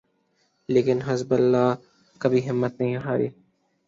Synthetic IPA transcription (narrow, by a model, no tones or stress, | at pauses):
leːkɪnɦɪzbəlːaː | kəbʱiːɦɪmːət̪nəɦĩɦaːɾḭː